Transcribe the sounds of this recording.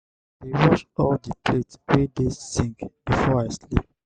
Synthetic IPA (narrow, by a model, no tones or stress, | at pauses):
wiɹɔʃɔldəpʰletɹedessĩŋkb̥ifɔaɪslḭp̚